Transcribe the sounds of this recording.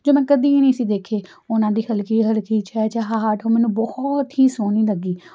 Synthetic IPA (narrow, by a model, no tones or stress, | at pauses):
d͡ʒoːmɛ̃ːkəd̪iːnəĩːsiːd̪eːkʰeː | ʊnãːd̪iːhəlkiːɦəlkiːt͡ʃɛːt͡ʃɛɦaːʈʰoːmɛːnũːbɔht̪ɦiːsoːnĩːləɡiː